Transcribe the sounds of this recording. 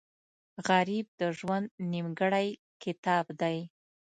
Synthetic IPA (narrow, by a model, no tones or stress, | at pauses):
ɣaɾib̚d̪əʒwand̪nimɡəɽaj | kɪt̪ɑbd̪aj